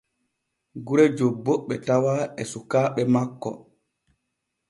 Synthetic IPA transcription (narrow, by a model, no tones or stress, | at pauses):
ɡuɾɛd͡ʒobːoɓːɛtawaɛsukaːɓɛmakːɔ̰